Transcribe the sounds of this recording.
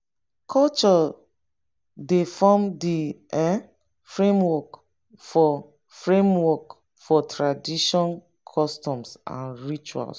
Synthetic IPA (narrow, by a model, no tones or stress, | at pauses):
kʰɔlt͡ʃɔ | defɔmdiɛ̃ | fɹẽmwɔk | fɔ | fɹẽmwɔk | fɔtʰɹadiʃɔ̃n | kʰɔstɔ̃msʔã̰nɹit͡ʃua̰ls